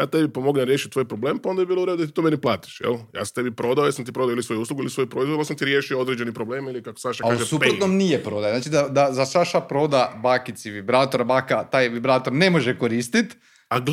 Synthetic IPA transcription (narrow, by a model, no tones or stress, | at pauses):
jaːt̪ebipomoɡlinaɾjeʃit̪̚ʲt̪ʋojpɾoble̞ːmpaond̪abibiːlˠouɾed̪od̪at̪it̪omeniplˠaːt̪i̥ʃjḛlja̰ːst̪ebipɾo̞d̪aojesamt̪ipɾoaoilisojuuːsluɡuilisojupɾoizvod̪alsamt̪iɾjeʃiood̪ɾed͡ʒenipɾobleːmilikako̥saʃakaauʒesupɾot̪nomnijepɾo̞ːd̪ajeznaːt͡ʃid̪ad̪azasaʃapɾo̞ːd̪abaːkit̪siʋibɾaːt̪o̞ɾabaːkat̪aːjʋibɾaːt̪oɾne̞mo̞ʒekoɾiːst̪it̪ | aɡ